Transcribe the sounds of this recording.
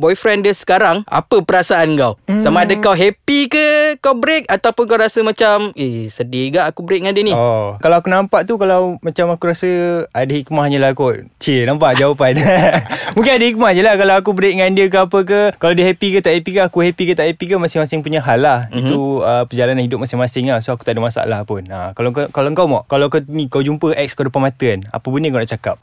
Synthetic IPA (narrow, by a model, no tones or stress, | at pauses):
bɔjfɾɛndəsə̥kaɾaŋa̰pəpəɾasaankawsamaadəkawɦɛpikəkawbəɾek̚at̪awpʊnkawɾasəmãt͡ʃamesədiəɡaʔakubəɾek̚ŋãndiəniɔkalawakunãmpaʔt̪ukalawmãt͡ʃamakuɾasəadəhik̚mahɦaɲəlahakot͡ʃinãmpaʔd͡ʒawapan | mũŋkɪnadəhik̚mahɲəlahkalawak̬ubəɾiʔ̚ŋandiək̬əapək̬əkalawdəɦɛpikət̪aʔhepikəːkuhɛpikət̪aʔhɛpikəmasɪŋmasɪŋpuɲaɦalahit̪uəpəd͡ʒalananhidʊp̚masɪŋmasɪŋlasoaku̥t̪adəmasa̰ʔlahpʊnəkalakkalaəŋkawmɔʔkalawkunĩkawd͡ʒumpəʔɛk̚skədopanmat̪əəna̰pəbənəkawna̰ʔt͡ʃakap̚